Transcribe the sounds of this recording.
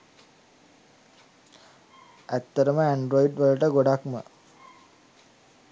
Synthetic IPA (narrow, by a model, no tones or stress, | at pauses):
æt̪ːəɾəməeɳɖɾoiɖʋaləʈəɡoɖakmə̰